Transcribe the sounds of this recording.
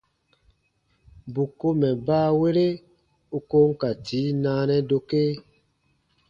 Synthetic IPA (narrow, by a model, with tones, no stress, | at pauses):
bu˨ko˦mɛ˨baː˦we˦ɾe˦ | u˦ko˦ŋ̩˦ka˨tʰiː˨˦nãː˨˦nɛ̃˦do˧ke˦